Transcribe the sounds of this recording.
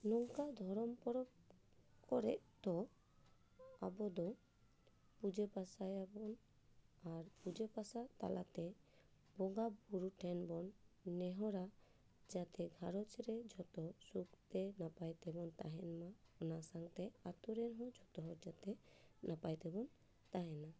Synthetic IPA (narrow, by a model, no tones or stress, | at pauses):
nɔŋkad̪ʱɔɾɔmpɔɾɔ | kɔɾɛ̰ʔt̪ɔ | abɔd̪ɔ | pud͡ʒepasajabɔn | aɾpud͡ʒepasat̪a̰lʔat̪ɛ | bɔɡabuɾuʈʰɛnbɔnːɛɦɔɾa | d͡ʒat̪ɛɡʱaɾɔt͡ʃɾɛd͡ʒʱɔt̪ɔsukt̪ɛnapajt̪ɛbɔnt̪aɦɛnmaɔnasaŋt̪ɛat̪uɾɛnɦɔ̃d͡ʒʱɔt̪ɔɦɔɾd͡ʒat̪ɛnapajt̪ɛbɔn | t̪aɦɛna